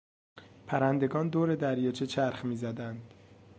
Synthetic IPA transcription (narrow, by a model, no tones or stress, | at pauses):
pʰæɾænd̪e̞ɡɒːnd̪oːɾe̞d̪æɾjɒːt͡ʃʰet͡ʃʰæɾxmiːzæd̪ænd̪̥